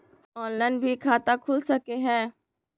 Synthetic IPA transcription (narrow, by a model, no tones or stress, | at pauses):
ɔːnlaːnbʱikʰaːt̪akʰʊlsɐkeɦɛ̃ː